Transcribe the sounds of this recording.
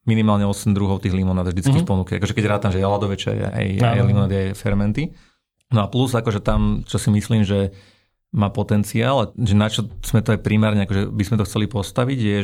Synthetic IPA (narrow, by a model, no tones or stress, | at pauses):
minimaːlɲɛɔsɛmd̪ɾuɦɔʊt̪iːɦlimɔnaːd̪vd̪it͡skixpɔnukɛa̰kɔʒɛkɛɟɾaːt̪amʒɛalad̪ɔʋɛt͡ʃa̰jɛ̰a̰ja̰jlimɔnaːd̪iajfɛɾmɛnt̪i | nɔapluzakɔʒɛt̪amt͡ʃɔsimisliːmʒɛ | maːpɔt̪ɛnt͡siaːlʒɛnat͡ʃɔz̥mɛt̪ɔajpɾimaːɾɲɛakɔʒɛbizmɛt̪ɔxt͡sɛlipɔst̪aʋiɟjɛ